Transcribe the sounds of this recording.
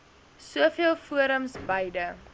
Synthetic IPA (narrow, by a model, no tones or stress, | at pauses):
suəfiəlˠfuəɾəmsbɐjdə